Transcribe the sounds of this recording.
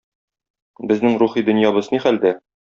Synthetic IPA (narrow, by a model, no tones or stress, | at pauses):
bɘ̆znɘŋɾuχid̪ɵ̆njɑbɤzniχæld̪æ